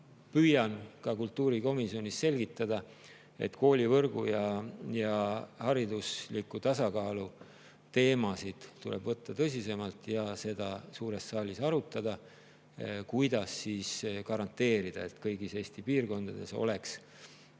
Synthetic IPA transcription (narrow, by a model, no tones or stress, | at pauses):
pyːjɑnkɑkult̪ːˑuːɾiko̞misio̞nʲisːse̞lɡ̥it̪ːˑɑd̪̥ɑ | e̞̰t̪ko̞ːlʲivɤrɡ̥ṵjɑjɑhɑɾid̪uslikːut̪ɑsɑkɑːlu | t̪e̞ːmɑsid̪̥t̪ːulḛbvɤt̪ːɑt̪ɤs̬ʲise̞mɑlt̪ˑjɑse̞d̪̥ɑsuːɾe̞sːɑːlisɑɾut̪ːˑɑd̪̥ɑ | kujd̪̥ɑsːiːskɑɾɑnt̪ːe̞ːɾid̪̥ɑet̪kɤjɡ̥ise̞ːsʲt̪ipiːrko̞nd̪̥ɑd̪̥e̞so̞̰le̞ks